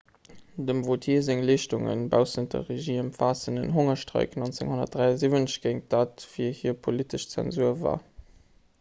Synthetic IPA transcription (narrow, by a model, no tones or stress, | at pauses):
dəmvotʰiːzeŋliːʃtuŋə̰nbaʊsəndə̰ʁeʒiːəmpfaːsənə̰nɦoŋɐʃtʁə̰ɪknont͡seŋhonɐ̰td̥ʁaɪɐzivənɕɡ̥ɛɪŋ̚d̥aːtfiːɐhiːɐpʰolitəʃt͡sɛ̰nzuɐva̰ː